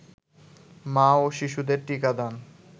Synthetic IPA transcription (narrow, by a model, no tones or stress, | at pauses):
maoʃiʃud̪eɾʈikad̪an